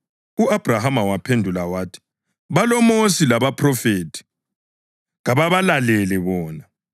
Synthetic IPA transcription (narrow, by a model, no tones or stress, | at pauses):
uab̥ʱrahamawapʰendʱulawaːtʰi̥ | βalɔmosilaβapʰʼrɔfeːtʰi̥ | ɣaβaβalalɛlɛβɔːna